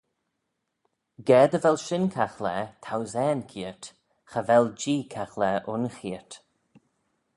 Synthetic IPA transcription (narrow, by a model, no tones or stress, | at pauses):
ɡɛːd̪əvɛlʃɪnkʰaxlɛt̪ʰawzɛːnkʰiət | xəvɛld͡ʒiːkʰaxlɛʔʊnxiət